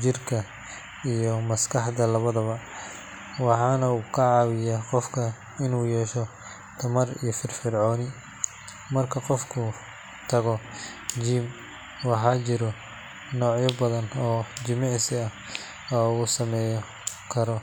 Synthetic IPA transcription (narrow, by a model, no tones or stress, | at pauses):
t͡ʃɪrkʰɐ | ijɔmɐskʰɑħd̪ɐlɐβɐðɐβɐ | wɑħɑːnɐuːkʰɐʕɑːwɪjaːqɔfkʰɐ | ɪnuːjɛːʃɔ | t̪ʰɐmɐrḭjɔfɪrfɪrʕɔːnɪ | mɐrkʰɐqɔfkʰʊ | t̪ʰɐɣɔ | d͡ʒiːm | wɑħɑːt͡ʃɪɾɔ | nɔːʕjɔbɐðɐnɔːd͡ʒɪmɪʕsɪɐ | ɔːuːsɐmɛːj | kʰɐɾɔ